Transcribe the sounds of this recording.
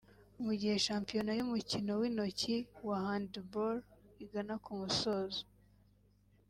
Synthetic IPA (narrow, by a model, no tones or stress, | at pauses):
umuɟihe̞ʃaːmpijo̞najumucino̞wino̞ciwahandboɾiɡanakumuso̞ːzo